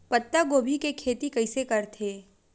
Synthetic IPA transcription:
pɐt̪ːaɡoːbʱikekʰeːt̪ikɐɪsekɐɾt̪ʰeː

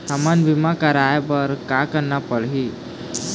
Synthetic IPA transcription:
samanʋimakəɾajbəɾkakəɾnapəɭɦi

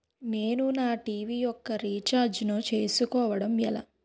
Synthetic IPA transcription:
ne̞ːnunaːʈiːʋijɔkːɐɾiːt͡ʃaːɾd͡ʒnot͡ʃe̞ːsukɔːʋɐɽɐmɛ̰la̰

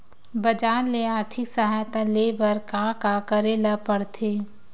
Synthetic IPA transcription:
bɐd͡ʒaːɾleaːɾt̪ʰɪksəɦaːjt̪aleːbəɾkãkakəɾeːlapəɽt̪ʰeː

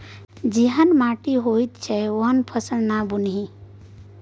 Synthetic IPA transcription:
d͡ʒiɦənmaʈiɦojt̪t͡ʃʰɛoɦənpʰəsəɽnabunɦĩ

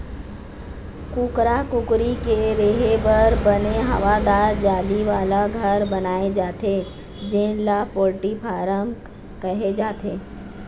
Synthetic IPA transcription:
kukɾakʊkɾikeɾeːɦebɐɾbəneɦɐ̰ʋad̪aːɾd͡ʒaːliʋaːlaɡʱəɾbɐnaːed͡ʒaːt̪e | d͡ʒɪ̃lapoːɾʈipʰaːɾəm | kəɦed͡ʒaːt̪eː

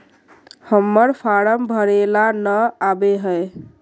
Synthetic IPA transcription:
həmːəɾpʰaɾəmbʱəɾelanəabeɦəe

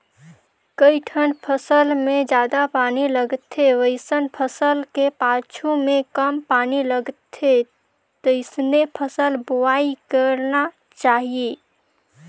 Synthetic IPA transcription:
kəiʈʰənpʰəsəlmẽd͡ʒjaːd̪apaːniləɡt̪ʰeʋəɪsənpʰəsəlkepaːt͡ʃʰumẽkəmpaːniləɡt̪ʰe | t̪oɪsnepʰəsəlbuwaːikəɾna | t͡ʃaːɦie

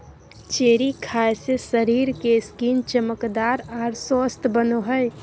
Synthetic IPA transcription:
t͡ʃeɾikʰaesesəɾiɾkeskint͡ʃəməkd̪aɾaɾsɔst̪ʰbənoɦəj

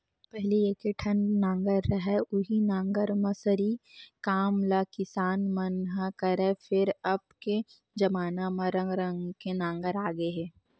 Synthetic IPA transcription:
pɛɦlieːkeʈʰɐnnãːŋɡəɾːɐɦɛʊɦinãːŋɡəɾmɐsəɾikaːmlakɪsaːnmɐnɦakɐɾefɪɾɐbke | d͡ʒɐmaːnamɐɾɐ̃ŋɡɾə̃ŋɡkenãːŋɡəɾaːɡəeɦɛː

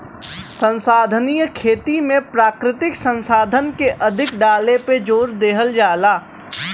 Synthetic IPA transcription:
sə̃nsaːd̪ʱənijəkʰeːt̪imẽpɾaːkɾɪt̪ɪksə̃nsaːd̪ʱənkeʔɐd̪ʱɪkɖaːleped͡ʒoːɾd̪eːɦəld͡ʒaːlaː

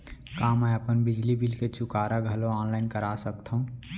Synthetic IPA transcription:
kaməjəpənbid͡ʒlibilket͡ʃʊkaɾaɡʱəloɔːnlaɪnkəɾasəkt̪ʰũ

